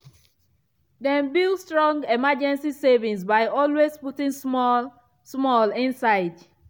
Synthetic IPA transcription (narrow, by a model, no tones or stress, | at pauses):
dɛ̃nbilstɹɔ̃ŋɡemad͡ʒɛ̃nsisevĩŋsbaɪʔɔlwezputɪ̃ŋm | smɔlɪ̃nsaɪd